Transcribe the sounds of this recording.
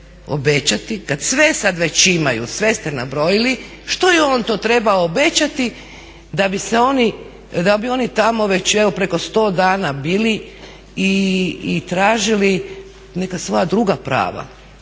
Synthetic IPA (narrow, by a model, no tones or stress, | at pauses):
o̰bet͡ɕat̪ikad̪sʋesad̪ʋe̞t͡ɕimajṵsʋe̞st̪enabɾo̞jili | ʃt̪ojio̞ːnt̪o̞ːt̪ɾe̞baoːbe̞t͡ɕat̪i | d̪abiseo̞ni | d̪abio̞nit̪amo̞ʋe̞t͡ɕeʋo̞pɾe̞ko̞st̪o̞ːd̪aːnabiːli | iː | t̪ɾaːʒili | ne̞kasʋo̞ːjad̪ɾuɡapɾa̰ːʋa̰